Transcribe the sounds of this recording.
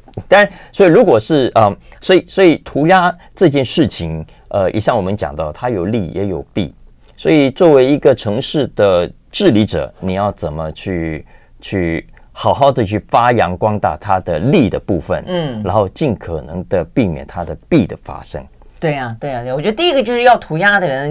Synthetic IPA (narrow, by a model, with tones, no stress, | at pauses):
t̪a˥˩˧nswɔ˧˥i˨˩ɻu˧˥kwɔ˨˩ʂɻ̩˥˩ə˧˩swɔ˧˥i˨˩swɔ˧˥i˨˩t̪ʰu˧˥ja˥ | ʈ͡ʂɤ˥˧t͡ɕjɛ˥˧nʂɻ̩˥˩t͡ɕʰi˧˩ŋ | ə˧ḭ˨˩ɕjɑ˥˩ŋwɔ˨˩mə˦nt͡ɕjɑ̰˨˩ŋt̪ɑ˥˩ʊt̪ʰa˥jo˨˩ʊli˥˩jʔɛ̰˧˥jo˨˩ʊpḭ˥˩ | swɔ˧˥i˨˩t͡swɔ˥˩we˧˥ɪi˧˥ɡə˧ʈ͡ʂʰɤ˧˥ŋʂɻ̩˥˩d̪ə˩ | ʈ͡ʂɻ̩˥˩li˧˥ʈ͡ʂɤ̰˨˩˦ni˨˩jɑ˥˩ʊt͡sə˨˩nmə˦t͡ɕʰy˥˧ | t͡ɕʰy˥˩ | xɑ˨˩ʊxɑ˥˩ʊd̪ə˨˩t͡ɕʰy˥˩fa˥jɑ˧˥ŋkwɑ˥ŋt̪a̰˥˩t̪ʰa˥d̪ə˨li˥˩d̪ə˩pu˥˩fə̰˨˩n̩˥˩ɻa˧˥nxo˥˧t͡ɕi˥˩nkʰɤ˨˩nɤ̰˧˥ŋd̪ə˧pi˥˩mjɛ̰˨˩nt̪ʰa˥d̪ə˨pi˥˩d̪ə̰˩fa̰˥ʂɤ̰˥ŋ | t̪we˥˩ɪa˩t̪we˥˩˨wɔ˨˩t͡ɕɛ˥ə˧t̪i˥˧i˧˥ɡə˧t͡ɕjo˥˧ʊʂɻ̩˥jɑ˥˩ʊt̪ʰu˧˥ja˥d̪ə˨ɻə˧˦n